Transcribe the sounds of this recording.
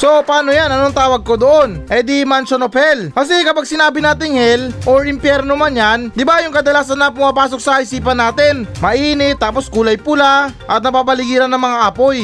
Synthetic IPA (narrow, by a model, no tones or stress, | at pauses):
so̞paːno̞janɐnoŋt̪aːwɐɡ̚ko̞d̪oʔo̞nʔɐjd̪imɐnt͡ʃonopɛlkɐs̬ɛkɐpaɡ̚sɪnaːbɪnaːt̪ɪŋhɛlʔoɾɪmpjɛɾnomɐnjand̪ɪbajʊŋkɐd̪ɐlaːsɐnːɐpʊmaːpaːso̞k̚sɐkɐʔɪsiːpɐnːaːt̪ɪnmɐʔiːnɪt̪ːaːpo̞skuːlɐjpʊlaʔɐt̪̚nɐpapɐlɪɡiːɾɐnːɐŋmɐŋaʔɐpo̞j